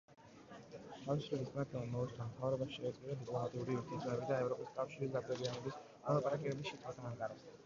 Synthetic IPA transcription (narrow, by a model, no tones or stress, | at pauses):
t̪ʰavisɾɛbismɾat̪ʰɛlˠamɔut͡ʃʰʼt̪amt̪ʰavɾɔbaʃʃɛːt̪zqʼid̪ad̪ikʼlˠɔmat̪ʼiuɾiuɾt̪ʰit̪sʰʼɔmɛbid̪aɛvɾɔpʼiskʼafʃiɾisɡad̪ɛdianɛbis | mɔlˠapʼaɾakʼɛbɛbisʃit̪ʰʼwat̪ʰaaŋkʼaɾas